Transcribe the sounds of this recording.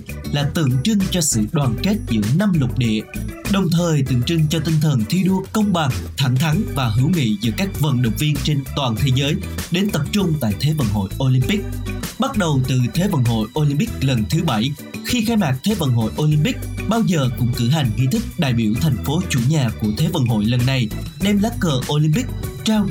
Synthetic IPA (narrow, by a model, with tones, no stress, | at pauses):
laː˨˩t̪ɨ̰˧˨əŋt͡ɕɨ˧ŋt͡ɕɔ˧sɨ̰˧˨ɗwaː˨˩nke˦˥t̚zɨ̰˧˥əna˧mlʊ˨˩k͡p̚ɗḭ˧˨əɗə˨˩wŋ͡mt̪ʰəː˨˩jt̪ɨ̰˧˨əŋt͡ɕɨ˧ŋt͡ɕɔ˧t̪ï˧ŋ̟t̪ʰə˨˩nt̪ʰi˧ɗu˧əkə˧wŋ͡mɓa˨˩ŋt̪ʰa˧˩ŋt̪ʰa˨˦ŋvaː˨˩ɦɨ˧˩˦wŋḭ˧˨zɨ̰˧˥kaː˦˥k̚və̰˨˩nɗə̰˧˨wŋ͡mvi˧ənt͡ɕe˧nt̪waː˨˩nt̪ʰe˨˦zəː˨˦jɗe˨˦nt̪ə˨˩p̚t͡ɕʊ˧ŋ͡mt̪a̰ː˧˨jt̪ʰe˨˦və̰˧˨nɦo̰˧˨jʔo˧li˧mpi˦˥k̚ɓa˦˥t̚ɗə˨˩wt̪ɨ˨˩t̪ʰe˨˦və̰˧˩nɦo̰˧˨jʔo˧li˧mpï˦˥k̚lə˨˩nt̪ʰɨ˨˦ɓa˧˩j | xi˧xaː˧jmaː˨˩k̚t̪ʰe˨˦və̰˧˨˩nɦo̰˧˨jʔo˧li˧mpi˦˥k̚ɓaː˧wzəː˨˩kʊ̰˧˥ŋ͡mkɨ˧˩ɦa˨˩jŋ̟ŋḭ˧˨t̪ʰï˦˥k̚ɗa̰ː˧˨jɓi˧˩əwt̪ʰɛ˨˩jŋ̟fo˨˦t͡ɕu˧˩ɲaː˨˩ku˧˩ət̪ʰe˨˦və̰˧˩nɦo̰˧˨jlə˨˩nːa˨˩j | ɗɛ˧mlaː˦˥kkːəː˨˩ʔo˧li˧mpï˦˥k̚t͡ɕaː˧w